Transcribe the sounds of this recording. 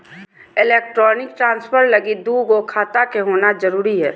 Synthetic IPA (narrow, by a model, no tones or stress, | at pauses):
ɪleːk̚ʈɾɔːnɪk̚ʈɾãːnspʰəɾləɡid̪uːɡokʰaːt̪akeɦoːnazəɾuːɾiɦɛː